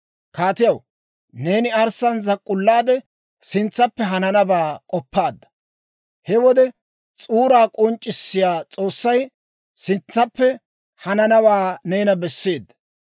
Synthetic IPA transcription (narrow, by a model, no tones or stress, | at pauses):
kaːt̪ɪjɐw | ne̞ːnɪɐɾsɐnzɐkʼːʊlːaːd̪ɛ | sɪnt͡sːɐpːɛɦɐnɐnɐbaːkʼɔpːaːd̪ːɐ̥ | hɛwɔd̪ɛ | t͡sʼuːɾaːkʼɔnt͡ʃʼːɪsːɪjaːt͡sʼo̞ːsːɐj | sɪnt͡sːɐpːɛ | hɐnɐnɐbaːne̞ːnɐbɛsːe̞ːd̪ːɐ̥